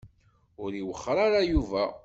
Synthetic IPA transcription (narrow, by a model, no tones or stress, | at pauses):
ʊɾiwəχːɾˤaɾajuvæ